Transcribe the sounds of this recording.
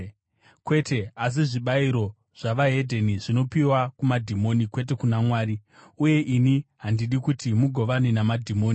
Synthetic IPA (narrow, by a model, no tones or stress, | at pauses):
kwe̞te̞as̬iʐiɓaiɾo̞ | ʐ̥aʋaɦe̞dʱeniʐino̞piwakumadʱimo̞nikwe̞t̬e̞kunamwaːɾiuje̞ʔiniɦandiɗikutimuɡʱo̞ʋaninamadʱimoːni